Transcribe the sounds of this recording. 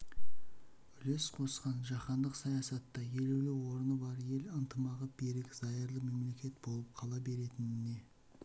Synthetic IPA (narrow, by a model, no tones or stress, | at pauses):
ʏle̞sqʰo̞sqɑnʒɑχɑnd̪əqsɑjɑsɑt̪ːɑje̞lulewo̞ɾənəbɑɾje̞lənt̪əmɑʁəb̥e̞ɾɪkzɑjəɾlˠəme̞mle̞kʲe̞t̪̚bo̞lˠəp̚qʰɑlˠɑbe̞ɾe̞t̪ɪnɪne̞